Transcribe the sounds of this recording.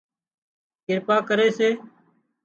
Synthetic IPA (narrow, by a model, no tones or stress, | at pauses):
kɪɾpaːkəɾeːseː